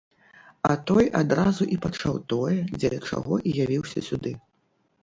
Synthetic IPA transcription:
ɐt̪ɔjad̪ɾazuʔipat͡ʂawt̪ɔjɛd͡zʲɛd̪t͡ʂa̰ɣɔʔijavʲiwsʲɐ̰sʲud̪ɨ

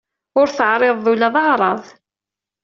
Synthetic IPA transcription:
ʊɾθəʕɾˤɪðˤːulæðˤɑʁɾˤɑðˤ

